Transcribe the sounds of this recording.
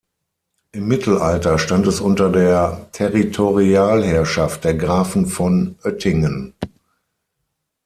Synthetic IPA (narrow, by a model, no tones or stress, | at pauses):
ʔɪmːɪtʰl̩ʔaltɐʃtantɛsʔʊntɐdeːɐtʰɛʁitʰoʁiaːlhɛɐʃaft̚d̥eːɐɡʁaːfn̩fɔnʔœtɪŋən